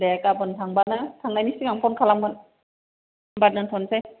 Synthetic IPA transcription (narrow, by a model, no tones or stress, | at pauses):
dɛːkapɯnt̪ʰaŋbat̚nat̪ʰaŋnajnisɯŋaŋpʰonkʰalambɯn | mbat̚naŋt̪ʰonsaj